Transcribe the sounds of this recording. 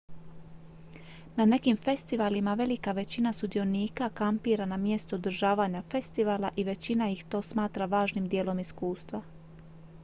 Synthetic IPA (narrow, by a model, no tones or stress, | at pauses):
nane̞kimfe̞st̪iʋaːlimaʋe̞likaʋe̞t͡ɕinasud̪io̞niːkakampiːɾanamje̞st̪uud̪ɾ̩ʒaːʋaːɲafe̞st̪iʋaːlaʔiʋe̞t͡ɕinajixt̪o̞ːsmaːt̪ɾaʋaːʒnimd̪je̞ːlo̞miskuːst̪ʋa